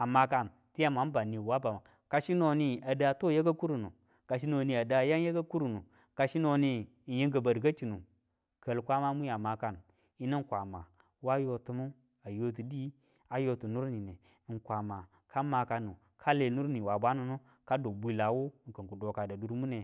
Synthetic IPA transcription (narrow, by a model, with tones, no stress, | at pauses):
a˨ma˨ka˦n | ti˦ja˦ma˨˦m˦ba˨ni˨wa˦ba˨ma˨ | ka˨ʃi˦no˨ni˨a˨da˨to˦je˦ɡa˦ku˦ɾu˨nu˨ | ka˨ʃ̬i˦no˨ni˨a˨da˨˦ja˦ŋ˦je˦ɡa˦ku˦ɾu˨nu˨ | ka˨ʃi˦no˨ni˦˨ | je˦ŋɡə˨ba˨dɡa˦t͡ʃi˨nu˨ | kə˨lkʷa˦ma˦mu˦ja˨ma˨ka˦˨n | i˦ni˦ŋ˦kʷa˨ma˨ | wa˦jo˨tu˨˦mu˦ | a˨jo˦t̬i˨di˦ | a˦jo˦tu˨nu˦ɾni˨ne˨ | ŋ˨kʷa˨ma˨ | kʰa˦ma˨ka˨nu˨ | kʰa˦le˨˦nu˦ɾni˨wa˨ba˦nu˨no˦ | ka˦do˨bʷi˦la˨wu˦ŋ̩˨kə˨ŋ˨ku˨do˨ka˨da˨du˨ɾmu˦ne˨